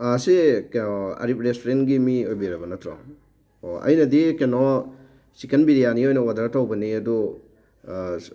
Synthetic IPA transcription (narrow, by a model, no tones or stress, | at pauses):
asiknɔɐ̰ɾip̚ɾestoɾentɡimiojbiɾɐbɐnɐt̪ʰɾɔ̰ŋ | oɐ̰jnɐdikenɔ | sikenbiɾijaniojnɔwadaɾtʰawbɐniɐdu